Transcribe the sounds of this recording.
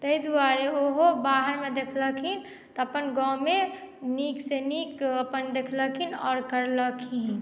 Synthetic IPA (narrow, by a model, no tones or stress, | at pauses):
t̪əid̪aɾeoɦobaɦəɾmed̪ekʰləkʰin | t̪ɔəpənɡɔ̃me | niksenikəpənd̪ekʰləkʰinɔːɾkəɾləkʰi